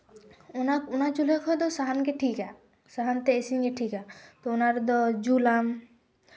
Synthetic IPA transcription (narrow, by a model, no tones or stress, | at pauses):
unakunad͡ʒulekʰɔjd̪ɔsaɦankeʈʰika | saɦant̪eesiŋkeʈʰikat̪ɔunaɾd̪ɔd͡ʒulam